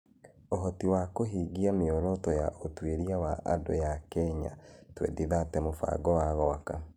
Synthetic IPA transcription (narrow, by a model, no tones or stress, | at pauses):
oɦɔtiwakoɦiːɣiameɔɾɔtɔja̰ʔotweɾiawaʔa̰do̰jakɛɲa̰twɛ̰diðatɛmofa̰ɡɔwaɣɔaka